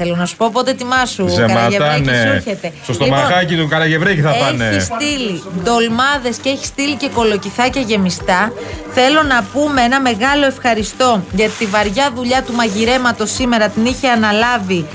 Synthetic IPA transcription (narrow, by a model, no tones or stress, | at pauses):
θelo̞nɐsu̥po̞po̞t̪e̞t̪imɐsuzekɐmɐet̪ɾɐniesuçet̪e̞st̪ost̪oimɐxɐcit̪ukɐlɐʝevɾeciθɐpɐneist̪ilid̪o̞lmɐðe̞sceeçi̥st̪ilice̞ko̞lo̞ciθɐce̞ʝe̞mist̪ɐθe̞lo̞nɐpumeenɐme̞ɣɐlo̞e̞fxɐɾist̪o̞ʝɐt̪ivɐɾʝɐðuʎɐt̪umɐʝiɾe̞mɐt̪o̞sime̞ɾɐt̪iniçeɐnɐlɐvi